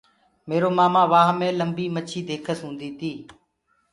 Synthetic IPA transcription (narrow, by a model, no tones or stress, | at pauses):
meːɾoːmaːmãːʋaːɦmẽːləmbiːmət͡ʃʰiːd̪eːkʰəsɦũːnd̪iːt̪ʰiː